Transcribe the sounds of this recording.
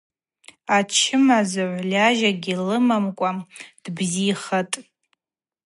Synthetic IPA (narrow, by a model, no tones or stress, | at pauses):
at͡ʃʰɪmazaʕʷlʲaʒaɡʲilɨmamkʷʼad̥bziːχatʼ